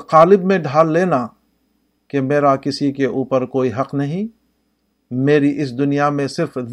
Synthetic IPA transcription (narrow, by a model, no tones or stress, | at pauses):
qaːlɪbmẽɖʱaːlːeːna | kemeːɾakɪsikeʔuːpəɾkoːiɦɐqnɐɦĩ | meːɾiʔɪs̬d̪ʊnijamẽsɪɾf